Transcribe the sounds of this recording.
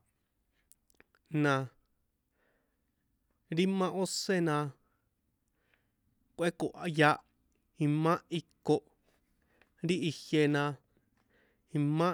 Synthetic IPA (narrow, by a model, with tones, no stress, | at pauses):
nã˨ | ɾi˦mã˦ʔo˦se˦˨nã˧ | kʷʔe˦ko˨ʔa˨˧ja˧˦ʔ | i˧mã˦ʔi˧ko˧ʔ | ɾi˦ʔi˧hje˧nã˧ | ĩ˧mã˦